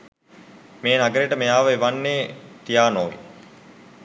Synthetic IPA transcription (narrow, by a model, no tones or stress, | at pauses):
meːnaɡəɾeʈəmejaːʋəeʋanːeːt̪ijaːnoːʋḭ